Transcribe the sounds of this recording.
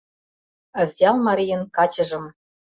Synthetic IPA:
ə̆zʲjɑlˠmɑɾʲijɤ̆nkɑt͡ɕɤ̆ʒɤ̆m

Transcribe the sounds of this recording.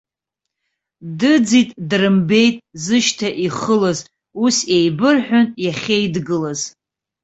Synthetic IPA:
dɨd͡zitʼdrɨmbe̞jtʼzɨʃtʰaʔiχəlaz | usejbɨrħʷᶣʊnjaχʲejdɡɨlaz

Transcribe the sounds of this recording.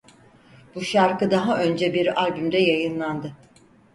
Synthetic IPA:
buʃaɾkɯd̪aɦaʔø̞nd͡ʒɛbiɾalʲbymd̪ɛjajɯnlˠand̪ɯ

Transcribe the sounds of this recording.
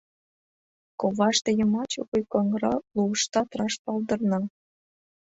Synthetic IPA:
koβɑʃt̪ejəmɑt͡ɕopujkoŋɾɑluəʃt̪ɑt̪rɑʃp̪ɑld̪ɤrnɑ

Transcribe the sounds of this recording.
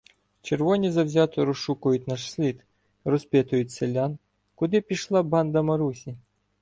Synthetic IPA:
t͡ʃerʋɔnʲizɐwzʲat̪ɔɾɔʃukʊjʊt̪̚ʲnaʂsʲlʲit̪ | ɾɔspʲɛt̪ʊjʊt̪̚ʲsɛlʲan | kʊd̪ɪpʲiʃlˠaband̪ɐmɐɾusʲi

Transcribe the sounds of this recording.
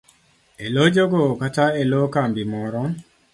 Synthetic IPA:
elod͡ʒoɡokataelokambimɔɾɔ

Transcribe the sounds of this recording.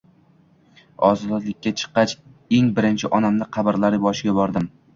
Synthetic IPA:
ɒ̰zɒɒd̪lˠɪkʲːat͡ʃʰɨ̥qːɑt͡ʃ | e̞ŋbɪɾɪnt͡ʃʰɪʔɒnamnɪqʰɑbɪɾlaɾɪbɒʃɪɡʲabɒɾd̪ɪm

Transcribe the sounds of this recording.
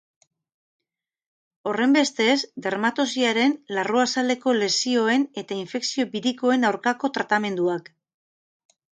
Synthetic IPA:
o̞re̞mbe̞st̪e̞sd̪e̞ɾmat̪osiaɾenlaruasald̪e̞ko̞le̞sio̞e̞ne̞t̪aiɱfe̞ksio̞biɾiko̞e̞nawɾkako̞t̪ɾat̪ame̞nd̪uak

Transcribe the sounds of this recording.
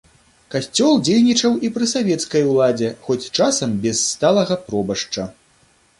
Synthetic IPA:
kasʲt͡sʲɔlˠd͡zʲejnʲit͡ʂɐwipɾɨsavʲɛt̪skɐjwlˠad͡zʲɛxɔt͡sʲt͡ʂasɐmbʲɛsːt̪alˠɐɣɐpɾɔbɐʂt͡ʂɐ

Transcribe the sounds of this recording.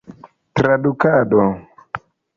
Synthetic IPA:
tɾadukadɔ

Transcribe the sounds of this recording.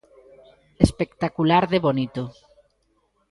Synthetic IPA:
espekt̪akulaɾðeβonit̪o

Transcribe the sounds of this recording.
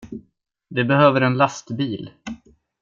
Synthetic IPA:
d̪ɛbɛhøːvəɾɛnlast̪biːl

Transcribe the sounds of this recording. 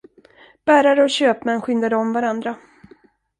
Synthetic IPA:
b̥æːɾaɾəɔɕøːpmɛnːɧʏnd̪ad̪əɔmvaɾand̪ɾa

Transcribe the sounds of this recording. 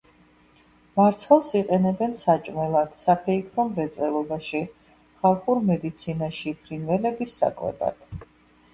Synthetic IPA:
maɾt̪sʰχɛlˠsiqʼɛnɛbɛnsat͡ʃʼmɛlˠad̪̥sapʰɛikʰɾɔmɾɛt̪sʼvɛlˠɔbaʃi | χalˠχuɾmɛd̪it̪sʰinaʃipʰɾinvɛlɛbisːa̰kʼwɛ̰ba̰d̪̥

